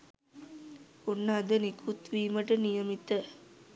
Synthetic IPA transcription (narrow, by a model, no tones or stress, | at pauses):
onːaːd̪ənikʰut̪ʋiːməʈənijɐmit̪ːə